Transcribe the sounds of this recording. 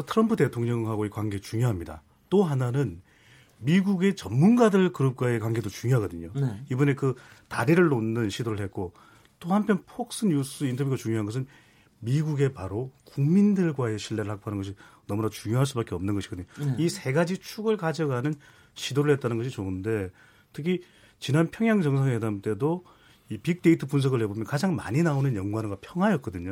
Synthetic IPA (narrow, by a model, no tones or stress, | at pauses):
tʰɯɾʌmpʰɯdte̞tʰoŋɲʌŋɦaɡoikwanɡe̞t͡ɕuŋjoɦamɲida̰ | t͈oɦananɯn | miɡuɡe̞t͡ɕʌmmunɡadɯɭkɯɾʌp̚k͈wae̞kwanɡe̞dot͡ɕuŋjoɦaɡʌdɯɲoibɯne̞kɯtaɾiɾɯɭːonːɯnɕʰidoɾɯɭɦet̚k͈o | t͈ohampʰjʌnpʰok̚s͈ɯɲus͈ɯintʰʌbjuɡat͡ɕuŋjoɦanɡʌs̬ʰɯn | miɡuɡe̞paɾokuŋmindɯɭɡwae̞ɕʰiɭːe̞ɾɯɭhak̚p͈oɦanɯnɡʌɕ̬ʰinʌmunat͡ɕuŋjoɦaɭs̬͈ubak͈e̞ʌmnɯnɡʌɕi̥k͈ʌdɯɲoisʰe̞ɡad͡ʑit͡ɕʰuɡɯɭkad͡ʑʌɡɦanɯn | ɕʰidoɾɯɭhe̞t̚t͈anɯnɡʌɕʰit͡ɕoɯnde̞ | tʰɯkʰi | t͡ɕinanpʰjʌŋjaŋd͡ʑʌŋs̬ʰaŋedamt͈e̞do | ipik̚te̞itʰɯpunsʰʌɡɯɭhe̞bomjʌnkad͡ʑaŋma̰ɲinaonɯnjʌŋɡwanɡapʰjʌŋɦwajʌk͈ʌdɯɲo